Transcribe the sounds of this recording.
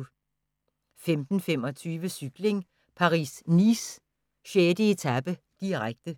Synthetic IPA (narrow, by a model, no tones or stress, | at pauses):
femd̥n̩femɒ̽t͡sʰyːʋəsyɡ̥le̝ŋ | pʰɑ̈ʁḭːsnis | ɕeːd̥əe̝t͡sʰæb̥ə | d̥iʁaɡ̥̚d̥ə